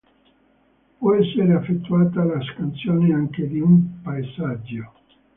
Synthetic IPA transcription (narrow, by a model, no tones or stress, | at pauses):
pwɔɛsːeɾeafːet̪ːuaːt̪alaskant̪sjoːneaŋk̟ed̪iumpaezad͡ʒːo